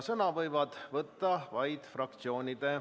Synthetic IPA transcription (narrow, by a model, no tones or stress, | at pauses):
sɤnɑʋɤjʋɑd̪̥ʋət̪ːɑʋɑjd̪frɑk̚t̪sioːnʲid̪e